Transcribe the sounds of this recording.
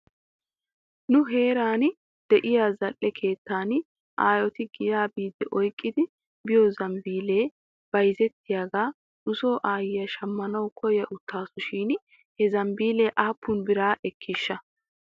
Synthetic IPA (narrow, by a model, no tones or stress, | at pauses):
nʊɦe̞ːɾaːn | d̪̥ɛʔɪjaːzɐʔːɛkʰe̞ːt̪ːaːn | ʔaːjɔt̪ɪɡɪjaːbiːd̪ɛʔɔjkʼːɪd̪ɪ | bɪjɔzɐmbiːleː | b̥ɐjzɛt̪ːɪjaːɡaː | nʊsoːʔaːjɪjɐʃɐmːɐnɐwkʰɔjɐʔʊt̪ːaːsʊʃiːn | hɛzɐmbiːleːʔaːpːʊnbɪɾaːʔɛkʰːɪʃːɐ